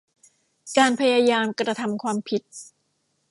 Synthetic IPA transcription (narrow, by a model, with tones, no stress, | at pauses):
kaː˧npʰa˧jaː˧jaː˧mkɾa˧t̪ʰa˧mkʰwaː˧mpʰi˨˩t̪̚